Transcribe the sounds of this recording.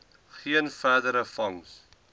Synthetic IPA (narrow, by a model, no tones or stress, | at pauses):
χiənfæːdəɾəfɐŋs